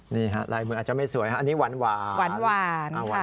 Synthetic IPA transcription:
niː˥˩ɦa˦˥ʔlaː˧jmɯː˧˩aː˨˩t̚t͡ɕa˨˩ma˥˩jsu˨˩˦jkʰa˦˥ʔa˧niː˦˥wa˧˩˦nwaː˧wa˨˩˦nwaː˧a˧˩˧

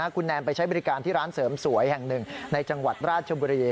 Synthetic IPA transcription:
a˦˥kʰu˧nːɛː˧mpa˧jt͡ɕʰa˦˥jbɔ˧ɾi˦˥kaː˧nt̪ʰiː˥˩ɾaː˦˥nsɤː˩˦msu˩˦əjhɛ˨˩ŋnɯ˨˩ŋna˧jt͡ɕa˧ŋwa˨˩t̪̚ɾaː˥˩t̪̚t͡ɕʰa˧buː˧ɾiː˧

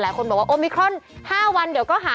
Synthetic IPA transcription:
laː˨˦jkʰo˧nbɔː˨˩k̚waː˥ʔo˧mi˧kʰɾɔ˥˩nhaː˥˩wa˧nd̪əwkɔː˥˩ɦaː˨˦

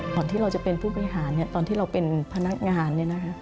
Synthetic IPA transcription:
t̪ɔː˧nt̪ʰiː˥˩ɾa˧wt͡ɕa˨˩pe˧npʰuː˥˩pa˧ɾi˧ɦaː˩˦nːi˥˩ɐt̪ɔː˧nt̪ʰiː˥˩ɾa˧wpe˧npʰa˧na˦˥k̚ŋaː˧nːi˥˩ɐna˦˥kʰa˦˥

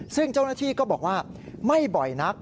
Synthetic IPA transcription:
sɯ˥˩ŋt͡ɕa˥˩wnaː˥˩t̪ʰiː˥˩kɔː˥˩bɔː˨˩k̚waː˥˩ma˥˩jbɔ˨˩jna˦˥k̚

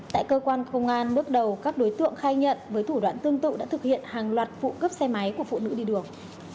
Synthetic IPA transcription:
t̪a̰ː˧˨jkəː˧kwaː˧nxə˧wŋ͡mŋʔaː˧nɓɨ˦˥ək̚ɗə˨˩wkaː˦˥k̚ɗo˨˦jt̪ɨ̰˧˨əŋxaː˧jɲə̰˧˨nvəː˨˦jt̪ʰu˧˩ɗwa̰ː˧˨nt̪ɨ˧əŋt̪ɨ̰˧˨ɗa̰ː˧˥t̪ʰɨ˨˩k̚hḭ˧˨ənhaː˨˩ŋlwaː˨˩t̚fṵ˧˨kə˦˥p̚sɛ˧ma˨˦jku˧˩əfṵ˧˨nɨ̰˧˥ɗi˧ɗɨ˨˩əŋ

